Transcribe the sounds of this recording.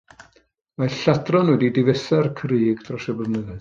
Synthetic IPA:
maɬadrɔnwɛdidɪvɛsarkʰriːɡd̥rɔsɛbəvnəðɨð

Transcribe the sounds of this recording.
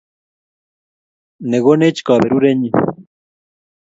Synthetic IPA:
neɣonet͡ʃkɑːbeɾuɾeɲi

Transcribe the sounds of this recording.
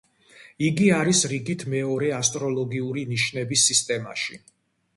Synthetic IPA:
iɡiaɾisɾiɡit̪ʰmɛɔɾɛast̪ʼɾɔlˠɔɡiuɾiniʃnɛbisːist̪ʼɛma̰ʃi

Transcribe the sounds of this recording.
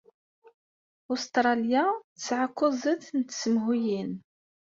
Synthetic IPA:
ʊst̪ɾˤɑljat͡sːʕakʷːʊzˤəθnt̪ːsəmɦujin

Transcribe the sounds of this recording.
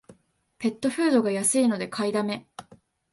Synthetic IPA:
pe̞t̪ːo̞ɸɯ̟ːd̪o̞ɡajasɨino̞d̪e̞kʰaid̪ame̞

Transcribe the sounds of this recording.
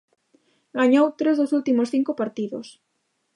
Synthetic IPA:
ɡaɲowt̪ɾezðosult̪imosθiŋkopaɾt̪iðo̰s

